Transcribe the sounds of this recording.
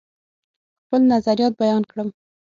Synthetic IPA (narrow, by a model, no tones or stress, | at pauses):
xpəlnazaɾijɑt̪̚bajɑnkɽəm